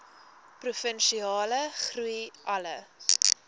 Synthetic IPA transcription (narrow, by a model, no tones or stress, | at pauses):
prufənʃiɑːləχruiʔɐlə